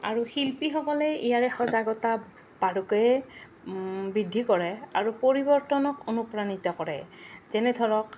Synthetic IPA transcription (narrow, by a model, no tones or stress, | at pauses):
a̰ɹuxilpixɔkɔlɛijaɹɛxɔzaɡɔta | b̥aɹukɛj | bidʱːikɔɹɛaɹupoɹibɔɹtɔnɔkonupɹanitɔkɔɹɛ̰zɛnɛdʱɔɹɔk